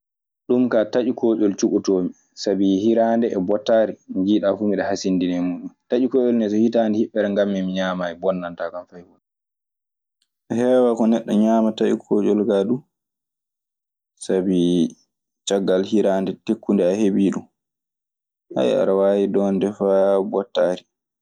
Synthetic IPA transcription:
ɗumkataʔikɔːd͡ʒɔlt͡ʃukutoːmi | sabihiɾaːndɛːbɔtːaːɾiɲɡiːɗafumiɗɛhasindinɛmuːɗumtad͡ʒikɔːd͡ʒɔlnɛt̬ɔhitandɛhiɓːɛɾɛŋɡamːɛmiɲaːmaɛbɔnːantakanfajhun | hɛːwakɔnɛɗːɔɲaːmataʔikʰɔːd͡ʒɔlɡaɗu | sabi | t͡ʃaɡːalhiɾaːndɛtekːundɛahebiːɗum | ʔa̰ja̰ɾawajidɔndɛfabɔtːaɾi

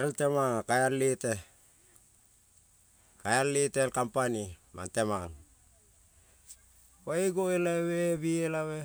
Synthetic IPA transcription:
ɾeltemaŋakajallite | kajallitelkampanima̰ntemaŋ | waiɡoelaβebielaβe

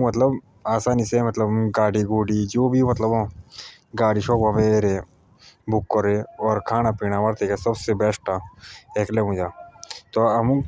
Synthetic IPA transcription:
mət̪ləb | aːsaːnisemɐt̪ləbɡaːɽiɡoːɖid͡ʒoːbʱimɐt̪ləbõː | ɡaːɽiʃoːbɦɐmeːɾe | bʊkːəɾeɔːɾkʰaːnapiːñaʋɐɾt̪ekesəbsebɛːsʈaeːkleɦũd͡ʒaːt̪oɐmũ

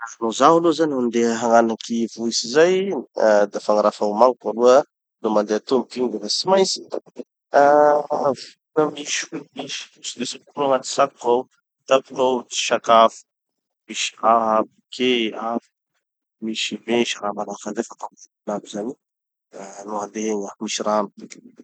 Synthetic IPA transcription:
anozaɦalozaniɦand̪eɦaŋanakivuisizaj | d̪afaŋaɾafawmaŋikaluə | lomand̪eat̪umkiɲd̪evat͡simajsi̥ | a | vuunəmiʃulmiʃi̥sid̪esakɾuaŋat̪i̥saku̥kaw | t̪aku̥kawt͡si̥ʃakafə̥ | miʃi̥aɦabikʰeaf | miʃibeʃaɾamanakad̪afat̪amutinabizani | nuɦad̪eɦeɲamiʃiɾami̥

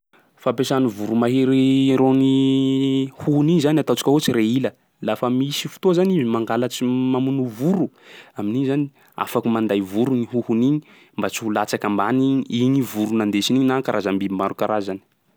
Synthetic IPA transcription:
fapesanivuɾumaɦeɾiɾoni | huhuniɲzanat̪at͡si̥kʲaɦot͡siɾeilə | lafəmisifu̥t̪ozanizimaŋɡalat͡ʃimamunuvuɾuaminiɲzani | a̰fakumand̪ajvuɾuniɦuhuniɲi̥ | mbat͡siulat͡sakambaniɲiɲivuɾunand̪esiniɲinakaɾʔazambimaɾukaɾazani̥

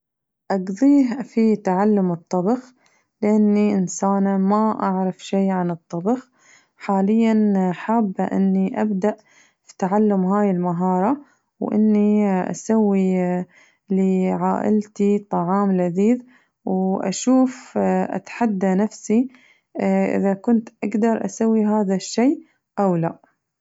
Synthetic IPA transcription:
ʔɑɡðˤiːɦfit̪aʕalːʊmɨt̪ˤːɑbɑx | lɪʔanːiʔɪnsaːnamaʔaʕɾˤɑfʃejʕanɨt̪ˤːɑbɑx | ħaːlɪjːanħaːbːʔɪ̰nːiʔabd̪aʔ | fi̥t̪aʕalːʊmɦaːjɪlmaɦɑːɾˤɑ | wʔɪ̰nːiʔa̰sawːi | liʕaːʔɪ̰lt̪it̪ˤɑʕɑːmlaðiːð | wʔa̰ʃuːfʔa̰t̪ħad̪ːanafsi | ʔɪ̰ðakʊnt̪ʔaɡd̪ɑɾˤʔasawːiɦaːðaʃːeː | ʔawlaʔ

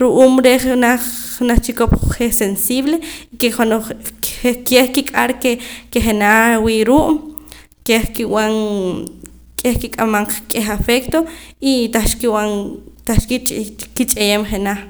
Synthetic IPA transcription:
ɾuʔuːmɾeχnaχːnaχt͡ʃikopχesensiːβleikeχonoχekeχkikʼaɾkekeχenawiːɾuːʔ | keχkiwaŋ | kʼehkikʼamaɴqkʼexafekt̪oit̪aʃkiwaŋt̪aχʃkikit͡ʃʼejeːmχenaχ

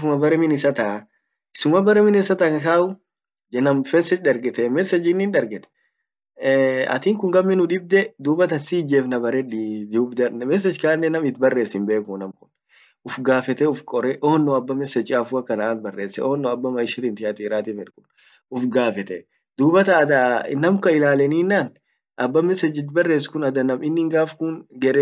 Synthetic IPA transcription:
fʊmɐbɐɾɛmɪnɪsɐt̪ɐ | ɪsʊmɐbɐɾɛmɪnɪsɐt̪ɐkɐkaːʊ | d͡ʒɛnɐmfɛnsɛt͡ʃᶑɐɾɡɛt̪ɛmɛsːɛd͡ʒɪnːɪːnᶑɐɾɡɛt̪ɛ̥ | ɐ̰t̪iːŋkʊŋɡɐmːɪnʊᶑɪb̚d̪ɛd̪uːbɐt̪ɐsiːd͡ʒeːfnɐbɐɾɛᶑd̪ubd̪ɐmɛs̬ɛd͡ʒkaːnːɛnɐmɪt̪bɐrːe̞ːsɪmbe̞ːkʊnɐmkʊn | ʔʊfɡaːfɛt̪ɛʊfkʼɔɾɛʔoːnːoɐbːɐmɛsɛt͡ʃʼaːfuɐkːɐnɐaːnbɐrːeːsːɛ̰oːnːɔɐbːɐmɐɪʃɪt̪ɪnt̪ɪɐt̪iɪɾaːt̪iːfɛᶑkʊn | ʊfɡaːfɛt̪ɛ | d̪uːbɐt̪ɐːd̪anɐmkɐɪlaːlɛniːnːaːn | ʔɐbːɐmɛsɛd͡ʒɪt̪̬bɐrːe̞ːskʊnɐd̪ɐnɐmɪnːɪːŋɡaːfkʊŋɡɛɾɛ

